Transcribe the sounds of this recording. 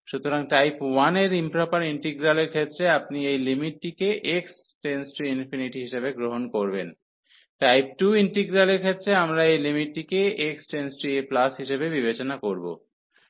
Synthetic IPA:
ʃut̪oɾaŋʈajpwaneɾimpɾopaɾiɳʈiɡɾaleɾkʰet̪ːɾeapniejlimiʈːikeʔeks | ʈensʈɾiinfiniʈiɦiʃebeɡɾoɦonkoɾben | ʈajp̚ʈuiɳʈiɡɾaleɾkʰet̪ːɾeamɾaejlimiʈːikeeksʈensʈɾieplasɦiʃebebibet͡ɕonakoɾbo̰

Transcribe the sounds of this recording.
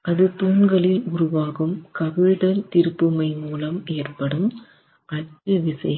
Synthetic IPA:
ʔɐðɯt̪uːnɡɐɭɪlʊɾʊʋaːɣɯmkɐʋɪɻɽɐlt̪ɪɾɯpːɯmɐɪmuːlɐmeːrpɐɽɯm | ʔɐʈːɯʋɪsɐjɐ

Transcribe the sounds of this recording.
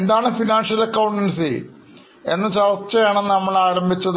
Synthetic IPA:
end̪aːɳɨfinaːnʂɐlɐkːɐwuɳʈɐnsḛ | e̞̰nːɨt͡ɕɐʋɐt͡ɕːɐjaːɳennɐmːɐɭaːɾɐmbʱit͡ɕːɐð

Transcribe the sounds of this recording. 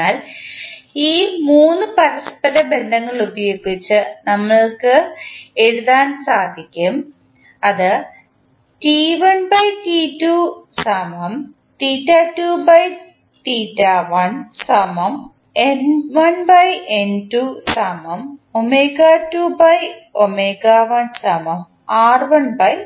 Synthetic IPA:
aːl | iːmuːnːɨpɐɾɐspɐɾɐbe̞nd̪ɐŋːɐɭubɐjoːɡit͡ɕːɨnɐmːɐɭkɨe̞ɻuðaːnsaːd̪ʱikʲːum | ɐðɨ | tiʋɐnbɐjtitusɐmɐm | tiːtːatuːbɐj | ʈiːtːaːʋɐnsɐmɐm | enʋɐnbɐjʔentusaːmɐmomeːɡaːtuːbɐjomeːɡaʋɐnsɐmɐm | aːrʋɐnbɐj

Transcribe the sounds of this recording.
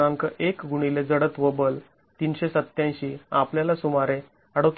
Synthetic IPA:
ãŋkəʔekɡuɽ̃iled͡zəɽət̪ʋəbəl | t̪iːnɕesət̪ːjãj̃ɕiːapljalasumaɾe | əɽət̪

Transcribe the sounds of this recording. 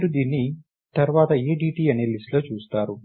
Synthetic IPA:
ɾud̪iːnːi | t̪ɐɾʋaːt̪ɐeːɖiːʈiːɐneːlisʈlo̞ːt͡ʃuːst̪aːɾu

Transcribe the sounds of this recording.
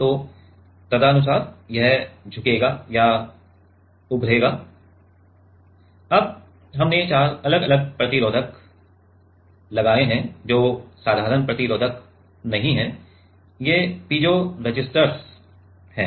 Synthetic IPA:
t̪oː | t̪ɐd̪aɐnʊs̬aːɾjɛɦd͡ʒʱʊkeːɡaja | ʊbʱɾeːɡaː | ɐb̚ | ɦɐmnet͡ʃaːɾɐləɡɐləɡ̚pɾɐt̪iɾoːd̪ʱək | lɐɡaːeɦɛ̃d͡ʒoːsaːd̪ʱaːɾənpɾɐt̪iɾoːd̪ʱək | nɐɦĩɦɛ̃ | jeːpiːd͡ʒoɾɐd͡ʒɪsʈəɾs | hɛ̰ː

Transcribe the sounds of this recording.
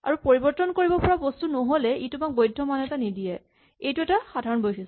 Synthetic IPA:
a̰ɹupoɹibɔɹtɔnkoɹibɔpɔɹabostunoɦolɛitʊmak̚bojdʱːɔmanɛtanidijɛ | ejtuɛtaxadʱaɹɔnbojsis

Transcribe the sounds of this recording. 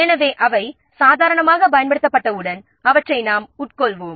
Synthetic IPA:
ɛnɐʋeːʔɐʋɐɪ | saːðaːɾɐɳɐmaːɣɐbɐjɐnbɐɽɯt̪ːɐpːɐʈːɐɯɽɐn | ɐʋɐʈrɐɪnaːmʊʈ̚kɔɭʋoːm

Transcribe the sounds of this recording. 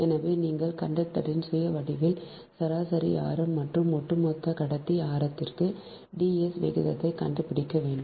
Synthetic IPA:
ɛnɐʋeːniːŋɡɐɭkɐɳɖɐʈ̪ːɐɽɪnsʊjɐʋɐɽɪʋɪl | sɐɾaːsɐɾia̰ːɾɐmːɐʈrɯmːɔʈrɯmːɔt̪ːɐkɐɽɐt̪ːiaːɾɐt̪ːɪrkɯ | ɖiːɛsʋɪ̰ɣɯðɐt̪ːɐɪkɐ̰ɳɖɯpɪɽɪkːɐʋeːɳɖɯm

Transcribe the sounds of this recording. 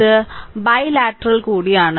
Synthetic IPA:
ɨbɐjlaːʈːɾɐɭkuːɽijaːɳɨ

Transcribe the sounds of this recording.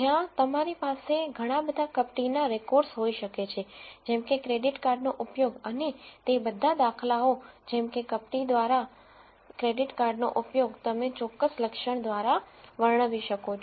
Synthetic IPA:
ɦjãt̪əmaɾipaseɡʱəɽ̃abəd̪ʱakəpʈinaɾekɔɾsɦoiʃəket͡ʃʰed͡ʒɛmkekɾeɖiʈkaɾɖnoʔʊpjoɡənet̪ebəd̪ʱad̪akʰlaod͡ʒɛmkekəp̚ʈid̪ʋaɾa | kɾeɖiʈkaɾɖno̰ʔʊpjoɡt̪əmet͡ʃɔkːəsləkʃəɳ̃d̪ʋaɾa | ʋəɾɳ̃əʋiʃəkot͡ʃʰ

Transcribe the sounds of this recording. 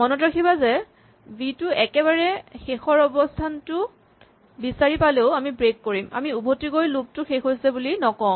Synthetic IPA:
mɔnɔtɹakʰibazɛ | bitʊɛkɛβaɹɛxexɔɹɔbɔstʰantʊ | bisaɹipaleʊamibɹekːoɹima̰miubʱotikojlub̚tʊxexojsɛbulinɔkɔ̃

